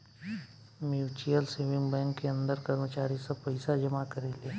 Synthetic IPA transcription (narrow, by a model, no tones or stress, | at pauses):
mjuːt͡ʃjəlseːʋɪ̃ŋɡbɛ̃ːŋkːeɐ̃nd̪əɾkəɾmət͡ʃaːɾisapəɪsad͡ʒɐmakɐɾeːleː